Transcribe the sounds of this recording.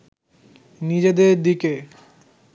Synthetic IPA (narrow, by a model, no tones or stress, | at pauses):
nid͡ʑed̪eɾd̪ike